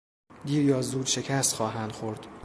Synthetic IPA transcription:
d̪iːɾjɒːzuːd̪ʃe̞cʰæst̪xɒːɦænd̪̥xoɾd̪̥

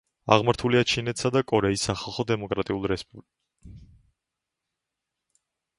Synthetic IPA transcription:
a̰ʁmaɾt̪ʰuliat͡ʃʰinɛt̪ʰsad̪akʼɔɾɛisːaχalˠχɔd̪ɛmɔkʼɾat̪ʼiulˠɾɛspʼubl

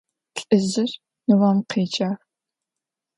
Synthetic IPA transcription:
ɬʼɨzɨr | nɨwɐmqeːt͡ʃʼaːr

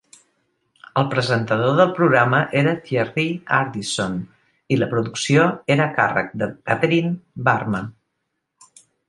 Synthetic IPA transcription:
əlˠpɾəzənt̪əðoðəlˠpɾuɣɾaməʔeɾəfjɛriaɾd̪ison | iləpɾuðuksioeɾəka̰rə̰k̚d̪əkət̪əɾinbarmə

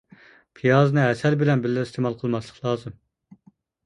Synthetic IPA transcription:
pʰijɑːzɨnɨɛsɛlbɪlɛnbɪlːɪɾist̪ʰemɑlˠqʰəlˠmɑslˠəχlˠɑːzɨm

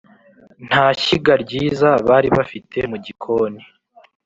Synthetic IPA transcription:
n̥haːçiɡaɾɟiːzaβaːɾiβafitʰe̞muɟikʰo̞ːni

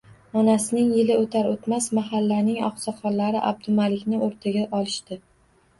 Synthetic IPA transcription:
ɒnasɪnɪŋjɪlɪot̪ʰaɾot̪masmaɦalːanɪŋɒ̰χsɒqɒnlaɾɪʔa̰b̚d̪ʊmalɪkʲnɪʔoɾt̪ʰaɡʲaʔɒlˠɪʃt̪ɪ

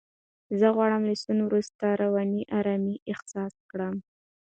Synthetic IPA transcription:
zəɣwɑɽəmləsunwɾust̪aɾawɑniʔɑɾɑmiʔɪxsɑskɽəm

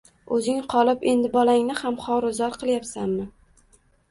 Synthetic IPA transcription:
ɵzɪŋqʰɒlˠɪpe̞nd̪ɪbɒlaŋnɪhamχɒɾʊzɒɾqʰɨlˠjapsanmɪ

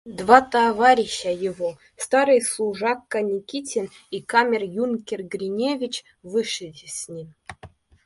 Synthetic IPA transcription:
d̪vɑt̪avaɾʲiɕːajɪvo | st̪ɑɾɨjslˠuʐɑkːɐnʲikʲitʲen | ikamʲerjunkʲerɡɾʲinʲevʲit͡ɕ | vɨʂɨdʲɪsʲnʲim

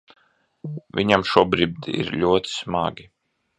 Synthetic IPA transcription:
vʲiɲamʃuɔbɾib̚d̪iḭɾlʲuɔt̪i̥sma̰ɡʲi

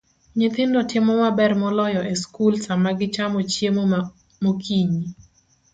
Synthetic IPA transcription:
ɲɪt̪ɪndɔtʰɪmɔmabɛrmɔlɔjɔʔeskulsamaɡɪt͡ʃamɔt͡ʃjemɔ | mokʰiɲi

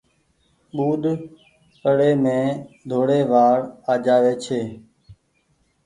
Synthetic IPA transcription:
ɓuːɗ̪ | pəɽeːmẽːd̪ʱoːɽeːʋaːɽaːd͡ʒaːʋeːt͡ʃʰeː

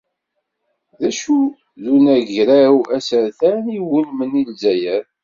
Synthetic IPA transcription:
ðæʃu | ðunæʝɾæwæsəɾθæniwəlmənilzæjæɾ

